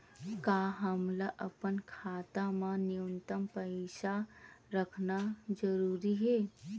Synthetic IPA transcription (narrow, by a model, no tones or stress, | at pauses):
kaːɦəmlaʔəpənkʰaːt̪amãnijunt̪əmpəsaɾəkʰnad͡ʒəɾuːɾiɦeː